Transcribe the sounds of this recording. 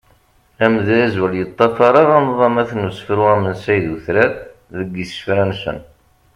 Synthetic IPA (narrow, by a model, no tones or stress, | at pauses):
æmðææzwəljət̪ˤːɑfɑɾˤɑʁɑmðˤɑmæθnusfɾuæmənsæjðuθɾæððəɡːisə̥fɾænsə̰n